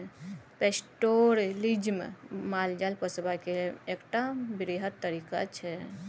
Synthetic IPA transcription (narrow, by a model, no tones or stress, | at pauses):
pesʈoɾlid͡ʒmḛmald͡ʒalpəsbakeekʈabɾiɦəd̪̚t̪ːəɾika̰t͡ʃʰɛ